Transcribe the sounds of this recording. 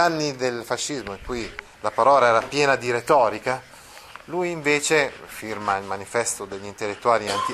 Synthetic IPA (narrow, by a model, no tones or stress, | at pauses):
anːid̪elfaʃːizmoiŋkuj | lapaɾɔːlaɛːɾapjɛːnad̪iɾet̪ɔːɾika | lujiɱveːt͡ʃefirmailmanifɛst̪od̪eʎːint̪elːet̪ːuaːliant̪i